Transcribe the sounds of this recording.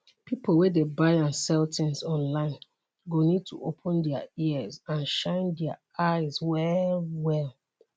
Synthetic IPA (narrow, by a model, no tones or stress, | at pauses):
pipʰol̩wɛdebaɪãnsɛltʰɛ̃nsɔ̃nlãɪ̃n | ɡonid̚tʰṵopʰə̃ndɛaiəzãnʃãɪ̃ndɛa | aɪzwɛlwɛlˠ